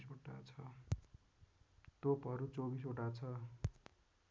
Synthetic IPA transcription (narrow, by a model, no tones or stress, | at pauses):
soʈa̰t͡sʰʌ | t̪opʌɾut͡sobisoʈat͡sʰʌ